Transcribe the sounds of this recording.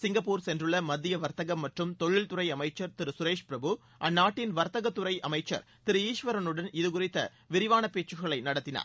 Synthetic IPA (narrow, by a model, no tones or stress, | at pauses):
sɪŋɡɐpːuːɾsɛndrɯɭːɐmɐd̪ːɪjɐʋɐɾt̪ɐɣɐmːɐʈrɯmt̪ɔɻːɪlt̪ʊɾɐɪɐmɐɪt͡ʃːɐɾt̪ɪɾɯsʊɾeːʂpɪɾɐbɯ | ʔɐnːaːʈːɪnʋɐɾt̪ɐɣɐt̪ːʊɾɐɪʔɐmɐɪt͡ʃːɐ̰ɾ | t̪ɪɾɯiːʂʋɐɾɐnɯɽɐnɪðɯkʊɾɪt̪ːɐ | ʋɪɾɪʋaːnɐpeːt͡ʃɯɣɐɭɐɪnɐɽɐt̪ːɪna̰ːɾ